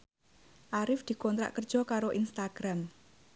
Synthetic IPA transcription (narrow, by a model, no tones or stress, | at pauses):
ʔaɾɪfd̪̥i̤kɔnt̪ɾa̰ʔkərd̥ʒ̥ɔ̤kaɾoʔinst̪aɡ̥ɾam